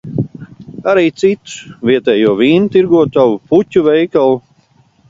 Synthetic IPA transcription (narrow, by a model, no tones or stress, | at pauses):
aɾiːt̪sit̪u̥sviɛt̪ɛːjuɔviːnut̪iɾɡuɔt̪awuputʲuvɛjkalˠu